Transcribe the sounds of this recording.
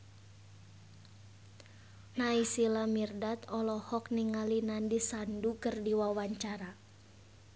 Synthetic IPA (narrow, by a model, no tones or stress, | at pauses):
naisilamirdat̪ɔlɔhɔk̚niŋalinandisandukərdiwawaɲt͡ʃaɾa